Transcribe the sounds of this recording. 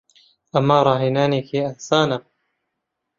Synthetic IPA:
ʔamːaːɾˤɑːɦinaːniːkiːʔansaːna

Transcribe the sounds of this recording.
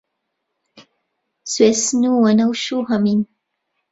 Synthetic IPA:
suesnuwanawʃuɦamin

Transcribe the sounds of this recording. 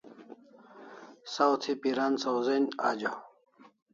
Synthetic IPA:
sawt̪ʰipiɾansɐwzena̰ːd͡ʑa

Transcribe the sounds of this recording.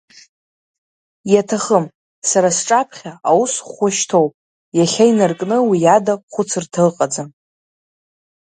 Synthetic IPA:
jatʰaχəm | saɾasʈ͡ʂʼapʰχʲaawusχʷʊʃtʰowpʼ | jaɬʲajnarkʼnɨwijadaχʷʊt͡sʰɨrtʰalqʼad͡za

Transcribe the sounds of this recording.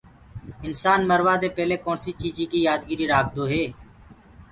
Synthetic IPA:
ɪnsaːnməɾʋaːd̪eːpɛːleːkoːnsiːt͡ʃiːd͡ʒiːkiːjaːd̪ɡiːɾiːɾaːk̚d̪oːɦeː

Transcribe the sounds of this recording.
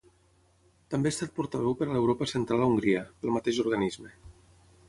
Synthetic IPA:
t̪əmbeːst̪at̪̚puɾt̪aβɛwpəɾalewɾopəsənt̪ɾalauŋɡɾiəpəlˠmat̪eʒuɾɣanizme

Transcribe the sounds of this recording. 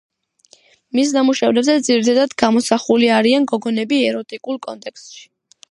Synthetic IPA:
mis̬namuʃavɾɛbzɛd̪ziɾit̪ʰad̪ad̪ɡamɔsaχuliaɾianɡɔɡɔnɛbiɛɾɔt̪ʼikʼulˠkʼɔ̰nt̪ʼɛkst̪ʃi̥

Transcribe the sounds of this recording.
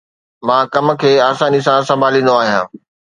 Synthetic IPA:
mãːkɐm̆kʰeːaːsaːnis̬ãsɐ̃mbʱaːlĩːn̆d̪oaːɦijã̰ː

